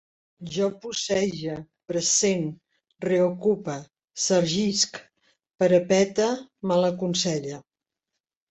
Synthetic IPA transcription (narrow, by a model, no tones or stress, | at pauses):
ʒɔpusɛʒə | pɾəsen | reokupə | səɾʒisk | pəɾəpɛt̪əmaləkunsɛʎə